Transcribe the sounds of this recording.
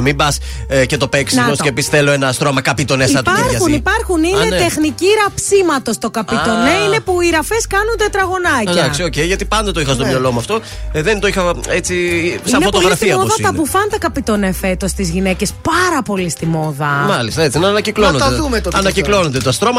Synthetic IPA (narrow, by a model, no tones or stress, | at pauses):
mimbɐs | ce̞t̪o̞peksiosepisi̥sθelo̞enɐːst̪ɾo̞mɐkɐpit̪o̞neiɐt̪ɐɐsunipɐɾxuninet̪exniciɾɐpsimɐt̪o̞st̪o̞kɐpit̪o̞neine̞puiɾɐfeskɐnund̪et̪ɾɐɣo̞nɐd̪ɐksio̞cejʝɐt̪ipɐnd̪ɐt̪oixɐst̪o̞mɲɐlo̞muɐft̪o̞ | ðent̪oixɐet͡sisiɐnefo̞t̪oɣɾɐsfiɐoðɐt̪ɐpufɐnd̪ɐkɐpit̪o̞nefe̞t̪o̞st̪izʝine̞cespɐɾɐpo̞list̪imo̞ðɐmɐlist̪ɐet͡sinɐnɐciklonod̪ðumet̪oɐnɐciklo̞nond̪et̪oɐst̪ɾo̞mɐ